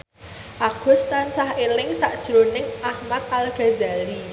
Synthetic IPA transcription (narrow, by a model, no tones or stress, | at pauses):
ʔaɡ̥ʊ̤st̪ansahelɪŋsaʔd̥ʒ̥ɾonɪŋʔahmat̪̚alɡ̥a̤zali